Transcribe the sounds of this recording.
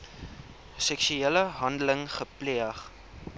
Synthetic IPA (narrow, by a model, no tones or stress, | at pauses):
sɛksyeləɦɐndələŋχəpliəχ